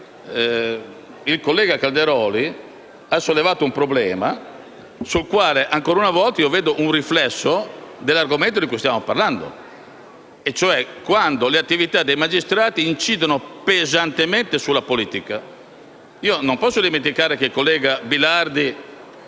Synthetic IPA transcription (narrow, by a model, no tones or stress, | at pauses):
ilkolːɛːɡakald̪eɾɔːli | asolːevaːt̪oumpɾoblɛːma | sulkwaːleʔaŋkoːɾunavɔlt̪aiovɛːd̪oʔunriflɛsːod̪elːaɾɡoment̪od̪ikujst̪jaːmopaɾland̪o̰ | et͡ʃːoɛkːwand̪oleat̪ːivit̪ad̪ːejmad͡ʒist̪ɾaːt̪iːnt͡ʃiːd̪onopezant̪emɛnt̪esulːapoliːt̪ika | iːonompɔsːod̪imẽnt̪ikaːɾekeilkolːɛːɡabilaɾd̪i